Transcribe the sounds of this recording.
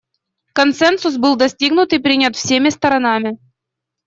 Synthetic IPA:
konsɛnsus̬bɨlˠd̪ɐsʲtʲiɡnut̪ipɾʲinʲat̪fsʲemʲɪst̪ɐɾɐnɑmʲɪ

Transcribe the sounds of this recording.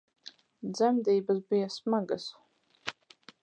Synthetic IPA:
d̪zæmd̪iːbasbijasmaɡas

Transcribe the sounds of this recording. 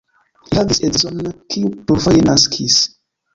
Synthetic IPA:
hihavisedizonːkʰiupovojenaskʰis

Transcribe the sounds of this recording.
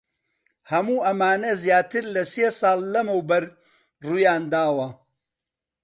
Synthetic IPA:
hɐmuːʔɐmaːnɐzjaːt̪ɨɾlɐseːsɑːlːɐmɐwbɐɾ | ruːjaːnd̪aːwɐ

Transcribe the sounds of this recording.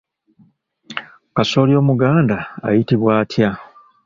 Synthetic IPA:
kaso̞ːljo̞ːmuɡaːnda̰ːjitiβwaːtʰja

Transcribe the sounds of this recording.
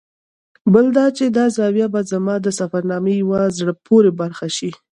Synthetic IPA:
bəld̪ɑt͡ʃed̪ɑzɑwjabɑzamɑd̪əsafaɾnɑmejawazɽəpʰoɾebaɾxaʃi

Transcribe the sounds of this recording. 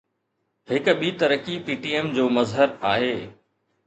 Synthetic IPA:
hɪkɓiːt̪ɐɾəkipiːʈiːeːmd͡ʑoːmɐzɦəɾaːɦeː

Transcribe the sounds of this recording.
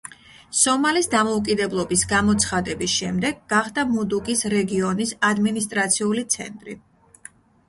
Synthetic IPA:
sɔmalisd̪amɔukʼid̪ɛblˠɔbisɡamɔt̪sʰχad̪ɛbisʃɛmd̪ɛɡːaχd̪amud̪uɡʼisɾɛɡiɔnisad̪minist̪ʼɾat̪sʰiulit̪sʰɛ̰nt̪ʼɾḭ

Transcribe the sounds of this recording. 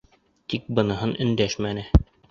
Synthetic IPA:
t̪ik̚bɤ̆nɤ̆ɦɤnɵ̆nd̪æʃmænɘ

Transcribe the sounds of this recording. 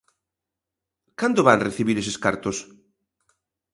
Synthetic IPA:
kand̪oβanreθiβiɾeseska̰ɾt̪os

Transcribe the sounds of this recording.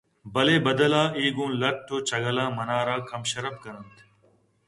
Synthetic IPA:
bɐleːbɐd̪ɐlaːʔiːɡũːnlɐʈ̚ʈ̪ːoːt͡ɕɐɡɐlaːmɐnaːɾaːkɐmɕɐɾɐbkɐɾɐnt̪ʰ

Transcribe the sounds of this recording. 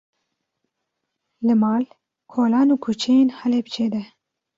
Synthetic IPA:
lɨmɑːl | kʰoːlɑːnuːkʰut͡ʃʰejeːnhɛleːbt͡ʃʰeːd̪ɛ

